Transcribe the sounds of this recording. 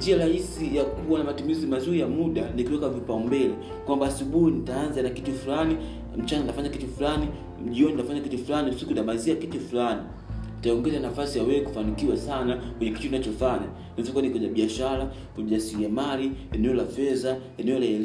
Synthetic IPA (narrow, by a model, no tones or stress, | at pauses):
ɲd͡ʒiaɾahisijakuwanamatumizimazuɾijamuɗanikiwɛkavipaumbɛlɛ | kwambaːsuɓuhinitaːnzanakitufulani | m̩t͡ʃanantafaɲakitufulani | m̩ʄiɔnitafaɲakitufulanisikuntamaziakitufulani | itaɔŋɡɛzanafasijawɛɛku̥fanikiwasanakwɛɲɛkitutinat͡ʃɔfaɲa | nifɔkanikwɛɲaɓiaʃala | kuʄasiɾiamaliɛnɛɔlafɛza | ɛnɛɔlaɛl